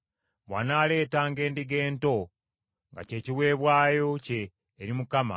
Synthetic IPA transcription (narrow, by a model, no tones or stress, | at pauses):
βwa̰ːnaːle̞ːtaːŋɡe̞ːndiɡe̞ːnto̞ | ŋɡa̰ce̞ːciwe̞ːβwaːjo̞ce̞ː | ɾimukama̰